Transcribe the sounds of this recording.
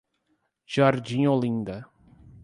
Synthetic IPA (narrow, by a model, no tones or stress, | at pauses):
ʒ̥aɾd̪ĩɲolĩnd̪ɐ